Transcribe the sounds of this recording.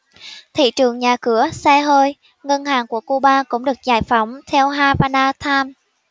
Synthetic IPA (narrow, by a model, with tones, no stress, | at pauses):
t̪ʰḭ˧˨t͡ɕɨ˨˩əŋɲaː˨˩kɨ˧˦əsaː˧ɦəː˧j | ŋə˧nhaː˨˩ŋku˧˩əku˧ɓaː˧kʊ̰˧˥ŋ͡mɗɨ˨˩ək̚zaː˧˩jfa˨˦wŋ͡mt̪ʰɛ˧wɦaː˧vaː˧naː˧t̪ʰaː˧m